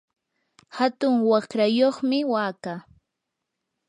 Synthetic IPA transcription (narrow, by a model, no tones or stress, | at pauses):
hat̪ʊŋwakɾajoχmɪwaːkaː